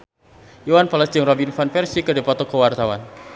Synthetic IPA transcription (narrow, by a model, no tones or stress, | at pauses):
iwanpaləsd͡ʒəŋrɔbinfanfɛrsikədepɔt̪ɔkəwart̪awan